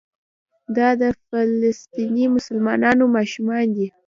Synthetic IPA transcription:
d̪ɑd̪əfalast̪inimʊsəlmɑ̰nɑnomɑʃumɑnd̪i

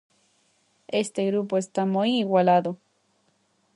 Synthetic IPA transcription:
est̪eɣɾupoest̪amojːwalaðo

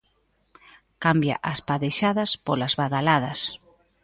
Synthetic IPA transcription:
kambja̰ʔaspaðeʃaðɐspolazβaðalað̞ɐs

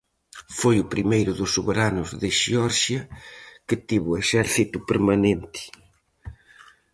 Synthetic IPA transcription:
fojʊpɾimejɾʊðʊsːuβeɾanʊzðɪʃiɔɾʒjɐkɨt̪iβueʃɛɾθit̪upəɾmanẽnt̪ɪ̥

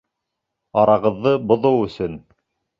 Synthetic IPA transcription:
ɑɾɑʁɤ̆ðːɤbŏðɤwɵ̆sɵn

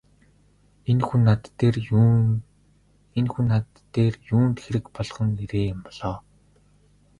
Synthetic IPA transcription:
enxunːat̪er | enxunːat̪ː | eːrjuːnt̪xeɾɘ̆kpɔɮχɞ̆ŋeɾeːjʊmpɔɮ̥ɔː

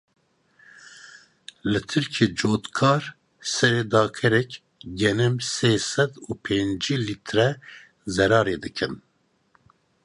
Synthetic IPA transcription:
lɨt̪ʰɨɾkʰeːd͡ʒoːt̪kʰɑːɾ | sɛɾeːd̪ɑːkʰɛɾɛk | ɡɛnɨmseːsɛd̪uːpʰend͡ʒiːlit̪ʰɾɛ | zɛɾɑːɾeːd̪ɨkʰɨn

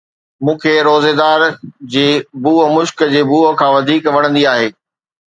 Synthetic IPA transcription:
mũːkʰeːɾoːzeːd̪aːɾd͡ʑeːbuːəmʊʃkd͡ʑeːbuːəkʰãːʋɐd̪ʱiːkʋɐɽə̃nd̪iaːɦeː

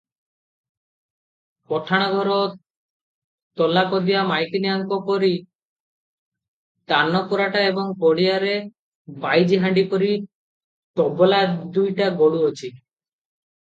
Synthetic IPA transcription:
pɔʈʰaɽ̃ɔɡɔɾɔ | t̪ɔlakɔd̪ijamajkiniaŋkɔpɔɾi | t̪anɔpuɾaʈaebɔŋkɔɽiaɾe | bajd͡ʒiɦaɳɖipɔɾi | t̪ɔbɔlad̪ujʈaɡoɽuot͡ʃʰi

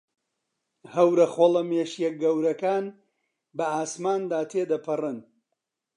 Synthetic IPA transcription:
hɐwɾɐxolˠɐmeːʃjɛk̚ɡɐwɾɐkaːn | bɐaːsmaːnd̪aːt̪ʰeːd̪ɐpʰɨrɨn

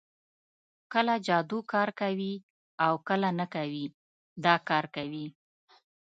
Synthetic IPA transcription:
kəlad͡ʒɑd̪ukɑɾkawi | awkəlanəkawi | d̪ɑkɑɾkawi

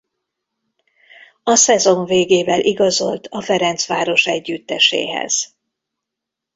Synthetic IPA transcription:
ɒsɛzo̞ɱveːɡeːvɛlʔiɡɒzo̞lt̪ʰɒfɛɾɛnt̪sʋaːɾo̞ʃɛɟːyt̪ːɛʃḛːɦɛ̰z̥

